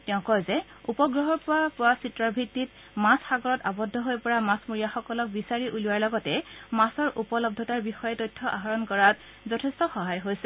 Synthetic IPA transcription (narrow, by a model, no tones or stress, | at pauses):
tɛʊ̃kɔjzɛ | upɔɡɹɔɦɔɹpʊwapʊwasitɹɔɹbʱitːit | mãsxaɡɔɹɔtabɔdʱɔɦojpɔɹamãsmuɹijaxɔkɔlɔk̚bisaɹiʔuluwaɹlɔɡɔtɛmãsɔɹʔupɔlɔb̚dʱɔtaɹbixɔjɛtojtʰːɔʔa̰ɦaɹɔnkɔɹat | zɔtʰɛstɔxɔɦajɦojsɛ